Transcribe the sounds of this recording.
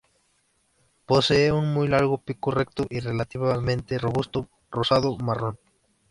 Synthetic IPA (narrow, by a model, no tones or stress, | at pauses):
poseeunmujlaɾɣopikorekt̪oʔirelat̪iβamẽnt̪eroβust̪o | rosaðomaron